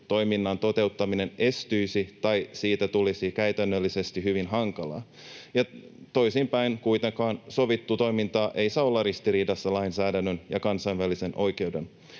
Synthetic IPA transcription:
t̪o̞jminːɑnt̪o̞t̪e̞ut̪ːɑmine̞ne̞st̪yjsit̪ɑjsiːt̪æt̪ulisikæyt̪ænːølːise̞st̪ihyʋinɦɑŋkɑlɑ̰ː | jɑt̪o̞jsimpæinkujt̪eŋkɑːnso̞ʋit̪ːut̪o̞jmint̪ɑːʔe̞isɑolːɑrist̪iɾiːdɑsːɑlɑinsæːdænːønjɑ̰kɑnsɑinʋælisenʔo̞jke̞ude̞n

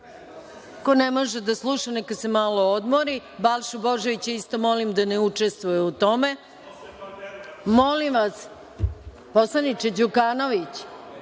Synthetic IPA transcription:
konemo̞ʒed̪aslˠuːʃanekad̪semalo̞od̪moɾibalʃuboʒeʋit͡ɕist̪o̞mo̞limd̪aneut͡ʂest̪ʋujeut̪o̞me | mo̞limʋas | poslˠanit͡ʃed͡ʑukano̞ʋit͡ɕ

